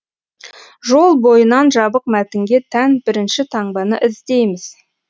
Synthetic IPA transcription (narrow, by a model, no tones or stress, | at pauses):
ʒo̞lˠbo̞jənɑnʒɑbəq̚mæt̪ɪŋɡʲe̞t̪ʰænbɪɾɪnʃɪt̪ʰɑɴbɑnəʔɪzd̪e̞jmɪz̥